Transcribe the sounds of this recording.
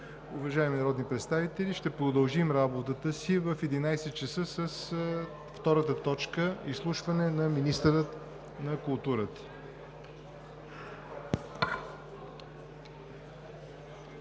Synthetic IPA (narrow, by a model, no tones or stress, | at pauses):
ʊvɐʒaɛminɐɾɔd̪nipɾɛt̪st̪avit̪ɛliʃt̪ɛpɾod̪əlˠʒimɾabot̪ət̪əsivəfɛd̪inajsɛt̪̚t͡ʃəsəsəs | ft̪ɔɾət̪ət̪ɔt͡ʃkəislˠuʃvɐnɛnɐminist̪əɾət̪ | nɐkʊlˠt̪uɾət̪ə̥